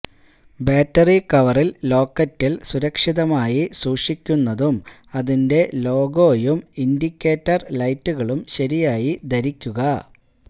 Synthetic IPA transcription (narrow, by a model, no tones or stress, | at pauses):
beːtːɐrikɐʋɐrillo̞ːkːɐtːilsuɾɐkʂiðɐmaːjisuːʂikʲːunːɐðum | ɐðinde̞lo̞ːɡo̞ːjumindikʲːe̞ːtːɐrlɐjtːuɣɐɭumɕɐɾijaːjid̪ɐɾikʲːuɣɐ